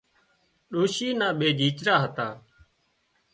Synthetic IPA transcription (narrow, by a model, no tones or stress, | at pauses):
ɗoːʃiːnãːɓeːd͡ʒʱiːt͡ʃɾaːɦət̪aː